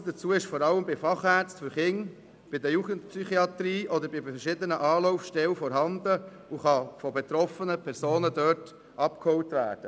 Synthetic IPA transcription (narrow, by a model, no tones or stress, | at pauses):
d̥̪ət͡suəɪʃfɔːɾɑləmbɪfɑχæɾt͡stfyɾχɪŋ | b̥ɪd̪əjuːɡəntpsyχiɑt̪ɾiːʔɔd̪əɾbɪfɛʃɪd̪ənəʔɑːlɔʊfʃtɛwfɔɾɦɑnd̪ə | uχɑfɔbɛt̪ɾɔfənəpʰɛɾsoːnəd̪œːt | ʔɑpkhɔʊtʋæ̰ːɾd̥ə